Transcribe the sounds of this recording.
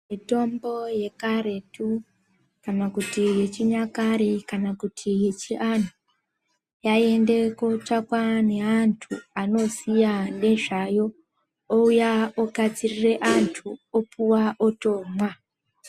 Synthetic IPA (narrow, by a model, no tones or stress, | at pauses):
mito̞mbo̞je̞karetu | kanakutije̞t͡ʃiɲakaɾikanakutʰije̞t͡ʃiʔanu | jae̞nde̞kot͡ʂakwane̞antʰṵano̞sijane̞ʐajo̞ | oujaokat͡sirire̞ʔantʰuopuwaʔoto̞ːmwa